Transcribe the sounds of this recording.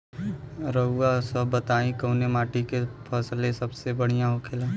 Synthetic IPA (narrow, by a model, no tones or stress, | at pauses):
ɾəɡwasəbːət̪aːĩkəːnemaːʈikepʰɐslesɐbsebəɽ̤ijãɦokʰelã